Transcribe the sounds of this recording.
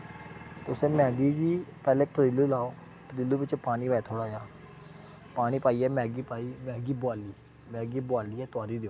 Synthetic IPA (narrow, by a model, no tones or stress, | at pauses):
t̪eʊsẽːmɛ̃ːɡiːɡiːpɛːlɛːkpʰəd̪ɪlːuːlaːoː | pəd̪ɪlːuːbɪt͡ʃpaːɽ̃iːʋaːɛːt̪ʰoːɽaːjaː | paːɽ̃iːpaːiːɛːmɛ̃ːɡiːpaːiːmɛ̃ːɡiːbʊaːliː | mɛ̃ːɡiːbʊaːliːɛːt̪ʊaːɾiːd̪eoː